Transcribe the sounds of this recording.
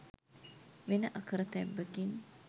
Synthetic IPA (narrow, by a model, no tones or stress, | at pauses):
ʋenəʔɐkəɾɐt̪ɛbːəɡin